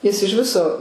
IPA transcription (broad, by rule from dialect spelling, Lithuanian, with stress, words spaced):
jɪs ɪʃ ˈʋʲɪsoː